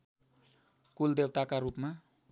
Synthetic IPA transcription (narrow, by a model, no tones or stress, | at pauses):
kuld̪ewt̪akarupma